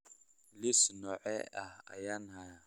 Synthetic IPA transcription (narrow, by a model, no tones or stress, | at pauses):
lisnɔʔɛ̰aa̰janha